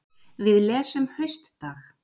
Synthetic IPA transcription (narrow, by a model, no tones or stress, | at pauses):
vɪðlɛːsʏmhœɥst̪ːaːx